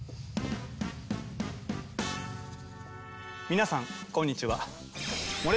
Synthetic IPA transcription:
mʲinasãŋkõɲ̟ːit͡ɕiβa̰ | moɾʲ

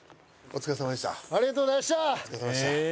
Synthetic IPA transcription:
ot͡sɨ̥kas̬amad̪eɕt̪a̰aɾiɡat̪̬oːaɕt̪akasamaet̪a

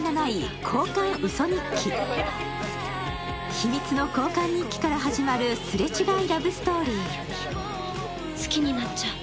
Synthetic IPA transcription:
nanaikʰo̞ːkãɰ̃ɯ̟so̞ɲ̟ĩkʲːi | çimʲit͡sɨno̞ko̞ːkãɲ̟ːikʲi̥kaɾaɦaʑimaɾɯ̟sɨɾe̞t͡ɕiɡaiɾabɯ̟sɨ̥t̪o̞ːɾʲiː | sɨ̥kʲiɲ̟inat͡ɕa

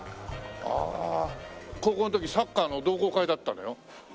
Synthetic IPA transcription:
a̰ | koːkonot̪ok̬ʲisakːaːno̞d̪o̞ːko̞ːkaid̪at̪ːãnojo

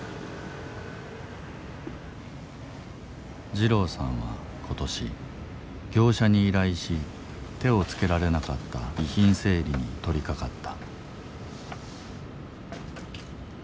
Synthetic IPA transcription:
d͡ʑiɾo̞ːsã̰ɰ̃βa̰ | kʰo̞t̪o̞ɕi | ɡʲo̞ːɕaɲ̟iːɾaiɕi | t̪e̞o̞t͡sɨ̥ke̞ɾaɾe̞nakat̪ːa̰içĩɰ̃se̞ːɾʲiɲ̟it̪o̞ɾʲikakat̪ːḁ

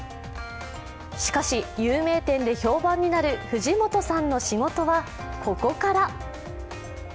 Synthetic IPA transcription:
ɕi̥kaɕijɯːme̞ːt̪ẽ̞nd̪e̞ço̞ːbãɲ̟ːinaɾɯ̟ɸɯ̟ʑimo̞t̪o̞sãnːo̞ɕiŋo̞t̪o̞βa | ko̞ko̞kaɾa

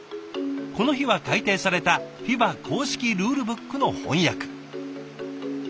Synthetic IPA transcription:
ko̞no̞çiβakait̪e̞ːsaɾe̞t̪açibakʰo̞ːɕi̥kʲiɾɯːɾɯ̟bɯ̟kːɯ̟no̞hõ̞̰ɰ̃jakɯ̥

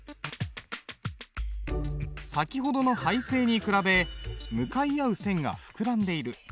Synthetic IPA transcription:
sakʲiɦo̞d̪o̞no̞haise̞ːɲ̟ikɯ̟ɾabe̞mɯ̟kaiaɯ̟sẽ̞ŋɡa̰ɸɯ̟̥kɯ̟ɾãnd̪e̞iɾɯ̟

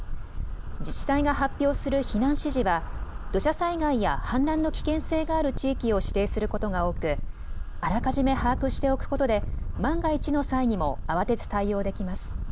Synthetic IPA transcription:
d͡ʑiɕi̥t̪aiɡaɦapʲːjo̞ːsɨɾɯ̟çinãɰ̃ɕiʑiβad̪̥o̞ɕasaiɡaijahãnɾãnːo̞kʲi̥kẽ̞ɰ̃se̞ːɡaːɾɯ̟t͡ɕiːkʲio̞ɕi̥t̪e̞ːsɨɾɯ̟ko̞t̪o̞ɡao̞ːkɯ̟ | aɾakaʑime̞haːkɯ̟ɕi̥t̪e̞o̞kɯ̟̥ko̞t̪o̞d̪e̞mãŋɡait͡ɕino̞saiɲ̟imo̞̰aβ̞at̪e̞t͡sɨ̥t̪aio̞ːd̪e̞kʲimasɨ̥

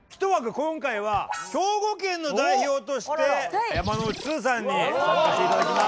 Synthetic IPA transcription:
kʲi̥t̪o̞βaɡɯ̟kõ̞ŋkaiβakʲo̞ːɡokẽ̞nːo̞d̪aiço̞ːt̪o̞ɕi̥t̪e̞jamano̥t͡sɨːs̬ãɲ̟ːisakaseit̪ad̪akʲima

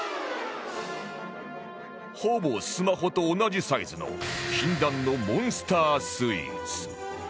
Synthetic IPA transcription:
hobo̞sɨmaɦo̞t̪o̞ːnad͡ʑisaizɨno̞̰ɕĩnd̪ãnːo̞mõ̞ɰ̃sɨ̥t̪aːsɨḭt͡sɨ̥

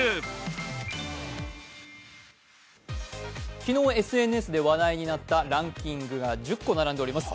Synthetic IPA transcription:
kʲino̞ːe̞sɨe̞nɯesɨd̪e̞βad̪aiɲ̟inat̪ːaɾãŋkʲĩŋɡɯ̟ɡad͡ʑɨkːo̞naɾãnd̪eɾimasɨ̥

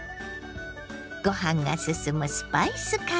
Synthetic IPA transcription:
kɔhaŋa̰səsəməspajsəka

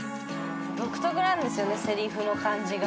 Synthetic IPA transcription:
bokɯ̟̥t̪oɡɯ̟ɾãnd̪e̞sɨjo̞ne̞seɾʲiɸɯ̟no̞kãɲd͡ʑiɡ

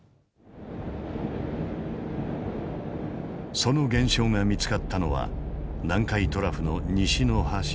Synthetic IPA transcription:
so̞no̞ɡẽ̞ɰ̃ɕo̞ːŋamʲit͡sɨ̥kat̪ʰːano̞βa̰nãŋkait̪o̞ɾaɸɯ̟no̞ɲiɕino̞haɕ

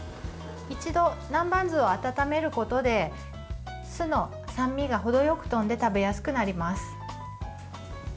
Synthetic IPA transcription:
it͡ɕid̪o̞nãmbãnd͡zɨo̞at̪at̪ame̞ɾɯ̟ko̞t̪o̞d̪e̞ | sɨno̞ | sãmʲːiɡaɦo̞d̪o̞jo̞kɯ̟̥t̪õ̞nd̪e̞t̪abe̞jasɨ̥kɯ̟naɾʲimasɨ̥

